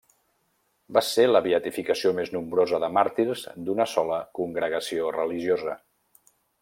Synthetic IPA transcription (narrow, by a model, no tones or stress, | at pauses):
baseləβiət̪ifikəsiomeznumbɾozəðəmaɾt̪iɾzd̪unəsɔləkuŋɡɾəɣ̞əsiorəliʒiozə